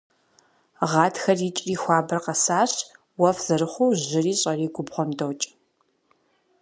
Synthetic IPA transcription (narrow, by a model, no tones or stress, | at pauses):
ʁɑːtʰxɐriːt͡ʃʼriːxʷɑːbɐrqɐsaːɕ | wɐfz̥ɐrɨχʷuːʑɪriːɕʼɐriːɡʷʊbʁʷɔndɐwt͡ʃʼ